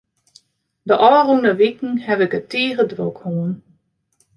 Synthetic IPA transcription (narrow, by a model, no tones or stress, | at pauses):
dəʔɔːrunəʋikŋ̩hɛvɪkətiːɣədrokhoːn